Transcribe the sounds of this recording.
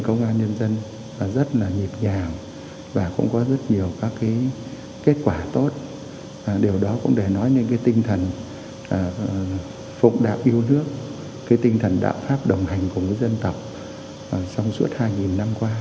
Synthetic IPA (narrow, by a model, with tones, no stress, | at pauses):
kə˧wŋ͡mʔaː˧nɲə˧nzə˧n˨˩ | zə˦˥t̚laː˨˩ɲi˨˩p̚ɲaː˨˩ŋ | vaː˨˩kʊ̰˧˥ŋ͡mkɔ˨˦zə˦˥t̚ɲi˨˩əwkaː˨˦˥kːaː˨˦j | ke˦˥t̚kwaː˧˩t̪o˦˥t̚ː | ɗe˨˩wɗɔ˨˦kʊ̰˧˥ŋ͡mɗe˧˩nɔ˨˦jɲɨ̰˧˥nkaː˨˦jt̪ï˧ŋ̟t̪ʰə˨˩n | ʔː | fʊ̰˧˨ŋ͡mɗa̰ː˧˨wʔi˧əwnɨ˦˥ək̚ː | aː˨˦jt̪ï˧ŋt̪ʰə˨˩nɗa̰ː˧˨wfaː˦˥p̚ɗə˨˩wŋ͡mha˨˩jŋ̟ku˨˩ŋəː˨˦jzə˧nt̪ə˨˩wk͡p̚ː | sa˧wŋ͡msu˦˥ət̚haː˧jŋi˨˩nːa˧mkwaː˧